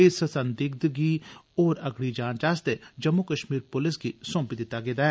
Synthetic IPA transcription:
esəsənd̪ɪɡ̚d̪ɡioːɾəɡɽid͡ʒãːnd͡ʒaːst̪ed͡ʒəmːukəʃmiːɾpʊlɪsɡisõːmpid̪ɪt̪ːaɡeːd̪aːɦɛː

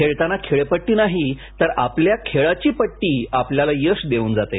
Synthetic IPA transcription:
kʰeɭt̪anakʰeɭepəʈːiːnaɦit̪əɾa̰pljakʰeɭat͡ɕiːpəʈːiːapljalajəsd̪euːnd͡zat̪e

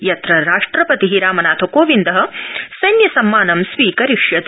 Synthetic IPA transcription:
jɐt̪ɾɐɾaːʂʈɾɐpɐt̪iɦiɾaːmɐnaːt̪ʰɐkoːʋind̪ɐɦɐ̆sɐjnjɐsɐmːaːnɐmsʋiːkɐɾiʂjɐt̪

